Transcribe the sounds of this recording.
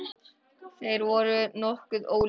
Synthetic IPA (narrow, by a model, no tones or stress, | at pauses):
θejɾvɔɾʏnɔhkʏðoːwl